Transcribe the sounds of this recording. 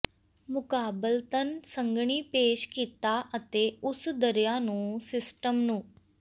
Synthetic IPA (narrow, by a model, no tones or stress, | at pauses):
mʊkaːbəlt̪ənsə̃ŋɡɳiːpeːʃkiːt̪aːʔət̪eːʊsd̪əɾjaːnũːsɪsʈəmnũː